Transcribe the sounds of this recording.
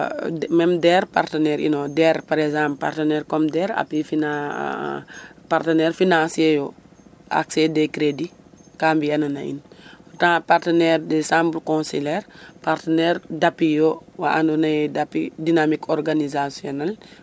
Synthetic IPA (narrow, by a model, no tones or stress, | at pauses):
mɛmdɛːɾpa̰rtənɛɾḭnɔdɛɾpaɾɛzãːmppa̰rtənɛɾkɔmdɛɾa̰pːifina | partənɛːɾfinãsiɛjɔ | ʔa̰ksedekɾedikambijɛnɐnɐ̰ḭntãpartənɛːɾdəsãːmblkɔ̃silɛɾpartənɛːɾdapːijɔwaʔandonɐjdapːidinamikʰɔrɡanizasjɔnal